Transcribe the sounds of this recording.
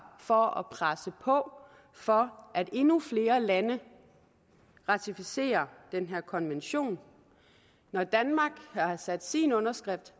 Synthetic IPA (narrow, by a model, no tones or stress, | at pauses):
fɒ̽ɒpʰʁasəpʰɒ̽ | fɒ̽ʔæd̥e̝nufle̝ːɐlænə | ʁɑ̈t͡sʰifise̝̰ːɐd̥enɦeɐ̰kʰɒ̽nʋenɕo̝̰ːn | ɒd̥ænmɑ̈ːɡ̥hɑ̈sæd̥sinɔ̽nɐsɡ̥ʁɛfd̥